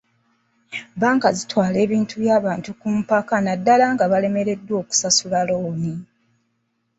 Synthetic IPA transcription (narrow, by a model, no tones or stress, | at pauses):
baːŋkazitwaːle̞ːβiːntuβjaːβaːntukum̩pakanadːalaŋɡaβale̞me̞ɾe̞dːwo̞ːku̥sasulaloːni